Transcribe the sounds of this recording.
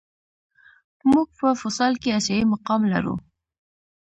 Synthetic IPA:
muɡ̚pəfʊsɑlkeaʃɑimaqɑmla̰ɾṵ

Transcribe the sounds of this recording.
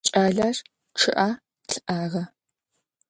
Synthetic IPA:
t͡ʃʼaːɮaʂ | ʈ͡ʂʰɨʔa | ɬʰɨʔaːʁɐ

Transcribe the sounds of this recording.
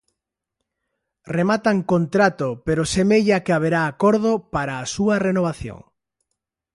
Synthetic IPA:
remat̪aŋkont̪ɾat̪opeɾosemeʎakɪaβeɾaːkoɾðopaɾaːsuɐrenoβ̞aθjo̰ŋ

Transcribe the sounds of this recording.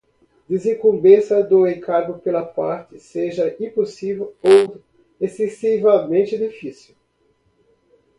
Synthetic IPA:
d̪ezĩkũmbẽsɐd̪ʊẽkʰaɾɡʊpelɐpaɾt̪ɪseʒɐʔĩposivewow | esesivɐmẽnt͡ʃ̪ɪd̪ifisiw

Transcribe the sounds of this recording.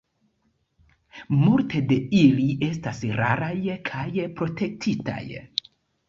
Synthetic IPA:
multe̞de̞iliʔe̞s̬tasɾaɾajkʰajpɾo̞tʰe̞k̚tʰita̰j

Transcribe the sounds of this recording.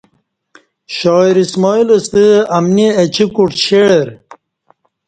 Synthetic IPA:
ɕɔːiɾismɔiləst̪əɐmniɐt͡ɕʰikuʈɕeɽeɾ

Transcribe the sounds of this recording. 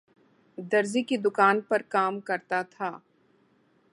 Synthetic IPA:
d̪ɐɾzikid̪ʊkaːnpɐɾkaːmkɐɾt̪at̪ʰaː

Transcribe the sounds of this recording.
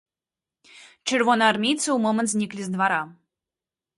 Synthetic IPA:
t͡ɕərvonɑrmʲit̪t͡səumomə̆nt̪zʲnʲiklʲizd̪vɑɾɑ

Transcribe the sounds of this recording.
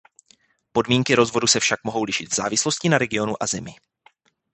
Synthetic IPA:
po̞dmiːŋkɪɾo̞zvo̞dusɛfʃak̚mo̞ɦo̞wlɪʃɪt̪vz̥aːvɪslo̞scɪnaɾɛɡɪo̞nuʔazɛmɪ

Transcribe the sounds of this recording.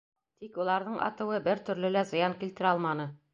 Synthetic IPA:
t̪ikulˠɑɾðɤɴʔɑ̰t̪ɤ̆wɤbɘɾt̪ɵ̆ɾlɘlæzɤ̆jɑŋkilt̪ɘ̆ɾɑlˠmɑnɤ

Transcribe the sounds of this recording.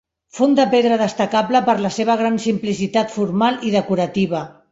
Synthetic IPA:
fond̪əpeðɾəðəst̪əkapləpəɾləseβ̞əɣ̞ɾansimplisit̪at̪fuɾmaliðəkuɾət̪iβ̞ə

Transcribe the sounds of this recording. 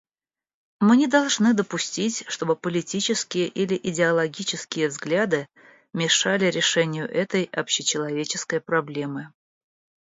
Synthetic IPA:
mɨnʲɪd̪ɐlˠʐnɨd̪əpʊsʲtʲitʲʂt̪o̞bɨpəlʲɪtʲit͡ɕɪskʲɪjəʔilʲɪʔɪdʲɪɐlˠɐɡʲit͡ɕɪskʲɪjəvzɡlʲad̪ɨ | mʲɪʂalʲɪɾʲɪʂɛnʲɪjʊʔɛt̪əjɐpɕɪt͡ɕɪlˠɐvʲet͡ɕɪskəjpɾɐblʲe̞mɨ

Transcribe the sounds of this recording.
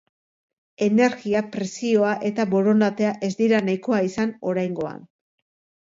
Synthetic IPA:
e̞ne̞ɾɣiapɾe̞sio̞aʔe̞t̪aβo̞ɾo̞nd̪at̪e̞aʔe̞zd̪iɾanajko̞aisano̞ɾajŋɡo̞a̰n

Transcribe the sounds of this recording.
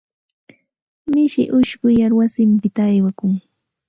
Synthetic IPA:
mɪʃɪ̰ʔʊʃɢʊjaɾwasɪmpɪt̪aːjwakʊŋ

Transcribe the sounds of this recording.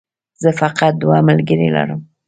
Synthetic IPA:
zəfaqat̪̚d̪wɑməlɡəɾela̰ɾəm

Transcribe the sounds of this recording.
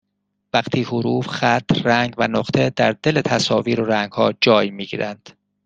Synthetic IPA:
væχt̪ʰiːhoɾuːfxæt̪ʰræŋɡvænoχt̪ʰe̞d̪æɾd̪e̞le̞t̪ʰæsɒːviːɾoɾæŋɡhɒːd͡ʒɒːjmiːɡḭːɾænd̪̥

